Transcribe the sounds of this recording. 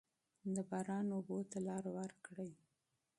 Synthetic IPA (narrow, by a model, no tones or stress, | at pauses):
d̪əbɑɾɑnobot̪alɑɾwaɾkɽəj